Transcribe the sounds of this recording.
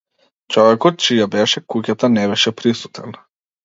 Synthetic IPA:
t͡ʃɔvɛkɔt̪̚t͡ʃijabɛʃɛkucat̪anɛbɛʃɛpɾisu̥t̪ʰɛn

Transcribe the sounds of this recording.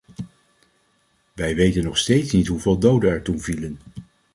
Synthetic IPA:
ʋɛjʋejtənːɔχstejtsnitɦuveːlˠdowdənɛɹtunvilən

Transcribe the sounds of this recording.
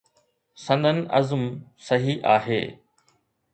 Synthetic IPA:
sɐ̃nd̪ʱənɪ̆ɐ̰zmsɐɦiʔaːɦḛː

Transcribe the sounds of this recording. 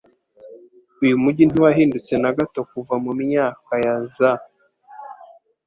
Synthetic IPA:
ujumuɟin̥uwaɦiːndut͡se̞naɡato̞kuvamumiɲaːkajaza

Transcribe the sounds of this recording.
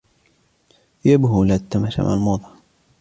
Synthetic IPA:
jabɦulat̪ːamaʃa̰ma̰lmoːd̪ˤɑ

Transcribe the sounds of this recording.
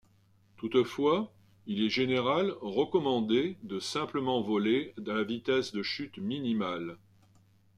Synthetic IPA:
t̪ut̪fwa | ilɛʒeneʁalʁəkɔmɑ̃d̪ed̪əsɛ̃pləmɑ̃vɔled̪alavit̪ɛsd̪əʃyt̪minimal

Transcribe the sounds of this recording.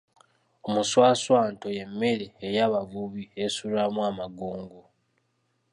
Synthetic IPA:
omuswaːswaːnto̞je̞mːe̞ɾeːjaːβavuβiesulamwamaɡoːŋɡo

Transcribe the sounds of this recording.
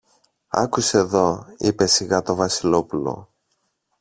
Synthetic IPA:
ɐ̰kuseeðo̞ipe̞siɣɐt̪o̞vɐsilo̞pulo̞̰

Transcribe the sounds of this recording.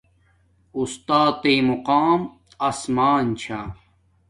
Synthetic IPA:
ust̪aːt̪eːmuqaːm | ɐsmaːnt͡ɕʰaː

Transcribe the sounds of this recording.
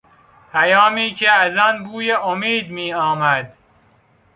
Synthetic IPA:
pʰæjɒːmiːcʰeæzɒːnbuːjeʔomiːd̪miːɒːmæd̪

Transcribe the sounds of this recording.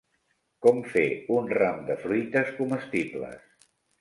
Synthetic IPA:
kɔmfeunramd̪əfɾujt̪əskuməst̪iblə̰s

